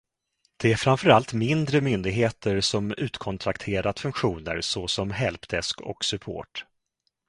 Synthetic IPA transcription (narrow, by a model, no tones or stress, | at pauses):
d̪̥ɛæɾfɾamfœɾalt̪mɪnd̪ɾəmʏnd̪ɪɡɦeːt̪əɾsɔmʉ̟ːt̪kʰɔnt̪ʰɾakt̪ʰeːɾad̪fɵŋkɧuːnə̰ɾsɔsɔmɦɛlpd̪̥ɛskɔ̰ksɵpʰo̰ːʈ